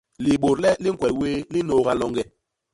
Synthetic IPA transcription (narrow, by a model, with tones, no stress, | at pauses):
li˨ɓo˨ɾlɛ˦li˦ŋ̩˦kwɛ˨lweː˦li˦no˨ɣa˦lɔ˨ŋɡɛ˨